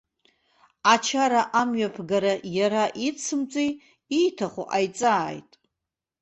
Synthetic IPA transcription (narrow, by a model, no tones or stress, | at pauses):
at͡ʃʰaɾaʔamɥapʰɡaɾajaɾaʔit͡sʰɨmt͡sʼij | ijtʰaχʷṵʔajt͡sʼaːjtʼ